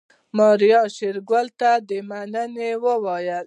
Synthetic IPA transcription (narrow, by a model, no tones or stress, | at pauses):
mɑɾijɑʃeɾɡwəlt̪ad̪əmanənewəwɑjəl